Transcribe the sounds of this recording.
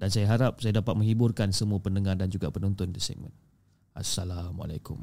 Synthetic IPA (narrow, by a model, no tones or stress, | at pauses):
dansajaɦaɾap̚sajadapat̪̚mə̃ŋhibʊrkansəmũapənəŋardand͡ʒuɡapənɔnt̪ʊndisɛ̰k̚mə̰̃n | ʔa̰sːalama̰lakʊ̰m